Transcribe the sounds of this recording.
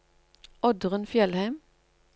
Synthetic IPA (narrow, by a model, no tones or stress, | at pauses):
ʔɔd̪ʁənfjɛlhæɪm